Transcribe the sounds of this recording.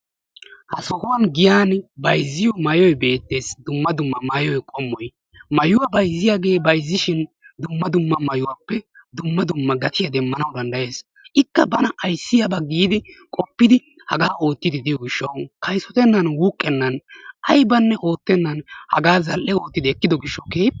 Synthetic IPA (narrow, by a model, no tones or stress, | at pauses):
hɐsɔkɔwɐnɡɪjaːnbɐjzːɪjɔmɐjɔjbe̞ːt̪ːe̞ːsd̪ʊmːɐd̪ʊmːɐmɐjɔjkʼɔmːɔj | mɐjʊwɐbɐjzːɪjaɡe̞ːbɐjzːɪʃɪn | d̪ʊmːɐd̪ʊmːɐmɐjʊwapːɛd̪ʊmːɐd̪ʊmːɐɡɐt̪ʰɪjɐd̪ɛmːɐnɐwd̪ɐnd̪ɐje̞ːs | ɪkːɐbɐnɐɐjsːɪjɐbɐɡiːd̪ɪkʼɔpːɪd̪ɪ | hɐɡaːʔo̞ːt̪ːɪd̪ɪd̪ɪjɔɡɪʃːɐwkʰɐjsɔt̪ɛnːɐnwuːkʼːɛnːɐnɐjbɐnːɛʔo̞ːt̪ːɛnːɐnhɐ̰ɡaːzɐlʔɛo̞ːt̪ːɪd̪ɛkːɪd̪ɔɡɪʃːɐwkeː